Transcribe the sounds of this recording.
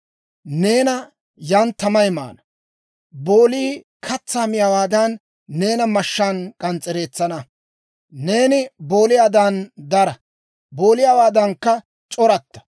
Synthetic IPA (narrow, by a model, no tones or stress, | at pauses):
ne̞ːnɐ | jɐnt̪ːɐmɐjma̰ːnɐ | bo̞ːliː | kʰɐt͡sːaːmɪjawaːd̪ɐnː | e̞ːnɐmɐʃːaːnkʼɐnt͡sʼːɛɾe̞ːt͡sːɐnɐ | ne̞ːnɪbo̞ːlɪjaːd̪and̪ɐɾɐ | bo̞ːlɪjawaːd̪ɐŋkːɐ | t͡ʃʼɔɾɐt̪ːɐ̥